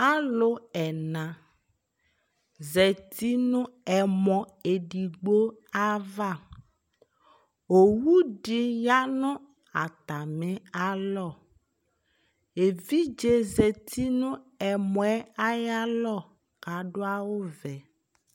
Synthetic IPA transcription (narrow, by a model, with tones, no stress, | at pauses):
a˦lo˨ɛ˨nã˨ | zɛ˨t̪i˦nũ˦ɛ˨mɔ̃˨ | e˨ɖi˨ɡ͡bo˦a˦va˦˨ | o˨wu˦ɖi˦ja˦nɔ̃˦ | a̰˨t̪a˨mẽ˦a˦lɔ˦˨ | e˨vi˦d͡ʒe˦zɛ˨t̪ʰi˦nũ˦ɛ˨mɔ̃˨ɛ˦a˦ja˦lɔ˦˨ | ka˨ɖo˦a˦wo˦vɛ˨